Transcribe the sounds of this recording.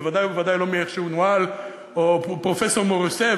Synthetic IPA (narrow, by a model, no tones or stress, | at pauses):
vad̪ajuvaʁd̪ajlomeɛχʃeunwal | opʁofɛsɔʁmoʁisɛ